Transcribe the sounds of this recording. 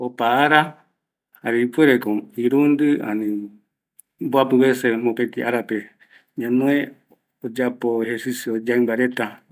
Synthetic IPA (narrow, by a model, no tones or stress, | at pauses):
opaːɾa | haɾeipueɾekoiɾund̪ɨa̰nĩ | boapɨβesemõpẽt̪iʔaɾape | ɲãnõe | od͡ʒapoeheɾsisjood͡ʒaimbaɾet̪a